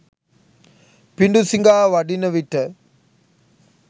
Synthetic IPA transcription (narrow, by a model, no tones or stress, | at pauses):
piɳɖusiŋɡaːʋɐɖinɐʋiʈːɐ